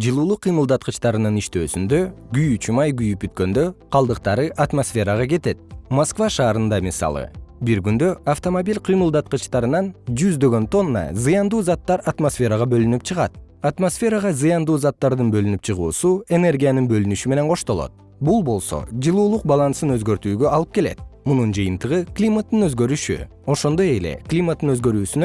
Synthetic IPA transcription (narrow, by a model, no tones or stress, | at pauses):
d͡ʒɯlˠuːlˠuqʰːɯjmɯlˠd̪ɑt̪̚qət͡ʃt̪ɑɾɯnɯniʃt̪øːsynd̪ø̞ɡyjyt͡ʃymɑjɡyjyp̚byt̪̚kø̞nd̪ø̞qʰɑlˠd̪ɯq̚t̪ɑɾɯʔat̪mosfʲe̞ɾɑʁɑɡe̞t̪e̞t̪̚moskvaʃɑːɾɯnd̪ɑmisɑ̰lˠɯ̰biɾɡynd̪ø̞ʔaft̪o̞mobʲilʲqʰɨjmɯlˠd̪ɑt̪̚qɯt͡ʃt̪ɑɾɯnɑnd͡ʒyzd̪ø̞ɡø̞nt̪o̞nːɑ̰zɯjɑnd̪uːzɑt̪ːɑɾat̪mosfʲe̞ɾɑʁɑbø̞lynyp̚t͡ʃʰɯʁɑt̪̚at̪mosfʲe̞ɾaʁɑzɯjɑnd̪uːzɑt̪ːɑɾd̪ɯnbø̞lynypt͡ʃʰɯʁuːsue̞ne̞rɡʲijanɯnbø̞lynyʃyme̞ne̞nqʰo̞ʃt̪o̞lˠo̞̰t̪̚ | bulˠbo̞lˠso̞̰d͡ʒɯlˠuːlˠuq̚bɑlˠɑnsɯnøzɡø̞ɾt̪yːɡøɑlˠɯp̚ke̞le̞̰t̪̚munund͡ʒɯjɯnt̪ɯʁɯklʲimat̪ːɯnøzɡø̞ɾyʃy̰ | o̞ʃo̞nd̪o̞je̞le̞̰klʲimat̪ːɯnøzɡø̞ɾyːsynø